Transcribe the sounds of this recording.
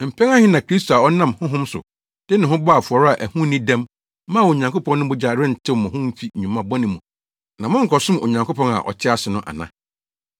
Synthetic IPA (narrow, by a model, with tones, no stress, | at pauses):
m̩˨pʰɛ˦ŋa˦hɪ˦nã˨kʰɾi˦sto˨a˨ɔ˦nã˦˨mhʊ̃˦ɦʊ̃˦msʊ̰˨ | d̥ɪ˦nã˨ɦʊ̃˦bɔ˦a˨fʊ˨ɔ˨ɾa˨ʔæ˨hũ˦nĩ˦dæ̃˦mː | ã˦˨o˨ɲã˨ŋkʰo˦pʰɔ̃˦nːʊ̃˦bʊ˦d͡ʑa˨ɾɪ̃˦n̩˨tʰɪ˦˨mʊ̃˨ɦʊ̃˦m̩˦fi˦˨ɲᶣũ˨mã˦bɔ˦nɪ̃˨mũ˨ | nã˨mʊ̃˦ŋ̩˨kʰɔ˨sʊ̃˦mo̰˨ɲã˨ŋko˦pʰɔ̃˦na̰˨ʔɔ̰˨t͡ɕʰɪ˦a˦sʊ˨nʊ̃˦ʔa̰˨nã̰˦